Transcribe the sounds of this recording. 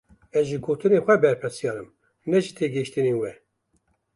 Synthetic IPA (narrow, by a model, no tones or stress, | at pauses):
ɛzʒiɡoːt̪ɨneːxʷɛbɛɾpʰɨɾsijɑːɾɨm | nɛʒit̪ʰeːɡeʃt̪ɨneːwɛ